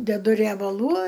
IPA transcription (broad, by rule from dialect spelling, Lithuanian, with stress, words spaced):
dʲɛˈdʊ rʲiɛbɐˈlˠuː